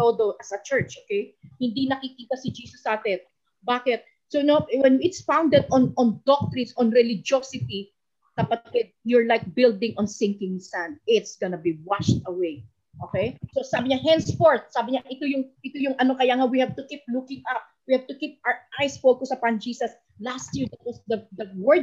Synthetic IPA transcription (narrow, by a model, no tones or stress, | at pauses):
od̪oʔɐsɐt͡ʃɛɹt͡ʃʔokejhɪ̃nd̪inɐkikiːt̪ɐsɪd͡ʒiːsɐsaːt̪ɛn | baːkɪt̪̚ | sonowɛnɪt̪sfãwnd̪ɛd̪ɔnɔ̃nd̪ɔk̚t̪ɾɪ̃nsɔ̃nɹɛlɪd͡ʒosɪt̪i | kɐpakɪt̪̚jʊɹlajk̚bɪld̪ɪ̃ŋʔɔnsɪ̃ŋkɪ̃ŋsãnd̪̚ɪt̪sɡɔnɐbiwaʃt̪ɐwej | ʔoːkɛjsosaːbɪɲaɦɛ̃nsfoɹt̪̚saːbɪɲaʔɪt̪ojʊŋʔɪt̪ojʊŋɐnokɐjaːŋawihɛv̚t̪ʊkip̚lukɪŋap̚wihɛv̚t̪ʊkip̚aʔajsfod̪̚kosɐpand͡ʒiːsɐs | last̪̚jiɹd̪at̪̚wɐsd̪ɐd̪ɐwɛd̪